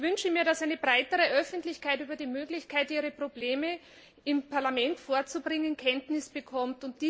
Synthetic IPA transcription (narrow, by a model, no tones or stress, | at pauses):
vʏnʃəmiːɐɾasaɪnəbʁaɪtəʁəʔœfəntlɪçkʰaɪtyːbɐdiːmøːɡlɪçkʰaɪtʔiːʁəpʁ̥obleːmə | ɪmpʰaɐlamɛntfoːɐt͡subʁɪŋənkʰɛntnɪsb̥əkʰɔmtʊnt̚d̥iː